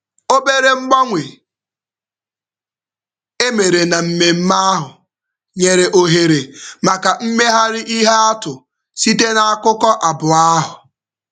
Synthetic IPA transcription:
o˦be˦ɾe˦ŋ͡m̩˦ɡ͡ba˦ŋʷe˨ | e˦me˨ɾe˨na˨m̩˦me˨m̩˦ma˦a˦ɦʊ˨ | ɲe˨ɾe˨ʔo˨ɦe˨ɾe˨ma˨ka˨m̩˦me˦ɦa˦ɾɪ˦ʔi˦ɦe˦a˦tʊ˨ | si˦te˦na˨a˦kʊ˦kɔ˦ʔa˨bʊ˨a˦ɦʊ˨

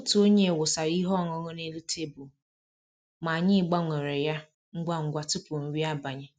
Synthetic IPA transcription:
o˦tu˨˦o˦ɲe˦˨wʊ˨sa˨ɾi˦ɦɔ˦˨ŋɔ˨ŋɔ˦ne˦lu˦te˦bu˨ | ma˨ɲɪ˦˨ɡ͡ba˦ŋʷe˨ɾe˨ja˦ | ŋ̩˦ɡʷa˦ŋ̩˨ɡʷa˨tʊ˦pʊ˨n̩˨ɾi˦a˦ba˨ɲɪ˦

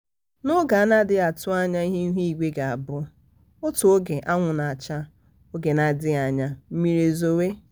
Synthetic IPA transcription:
nʊ˦ɡa˨˦na˦dɪ˦a˨tʊ˦a˦ɲa˦i˦ɦe˦ɦi˦i˨ɡʷe˦ɡa˨a˨bʊ˦ | ʊ˦tʊ˨o˦ɡe˨ʔa˦ŋʷʊ˨na˨a˨t͡ʃa˦ | o˦ɡe˨na˨dɪ˦a˨ɲa˦m̩˦mi˦ɾe˨zo˦we˦

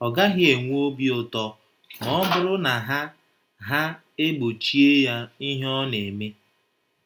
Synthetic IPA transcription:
ɔ˨ɡa˦ɦɪ˦e˨ŋʷ˦o˦bi˦ʊ˦˨tɔ˦ | mɔ˦bʊ˦ɾʊ˦na˨ɦa˦ | ɦa˦ | e˦ɡ͡bo˨t͡ʃi˦e˦ja˦i˦ɦɔ˦ne˨me˦

